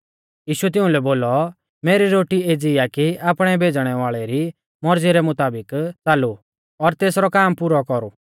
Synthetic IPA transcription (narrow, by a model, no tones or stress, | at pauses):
jiːʃuɛt̪̬ɪ̃ʊ̃lɛboːlɔ | meːɾiɾoːʈieːd͡zijakiaːpɽ̃ɛbʱeːd͡zɽ̃ɛʋaːɭɛɾi | mɔɾd͡ziɾɛmʊt̪aːbɪkt͡saːlu | ɔɾt̪eːsɾɔkaːmpuːɾɔkɔɾu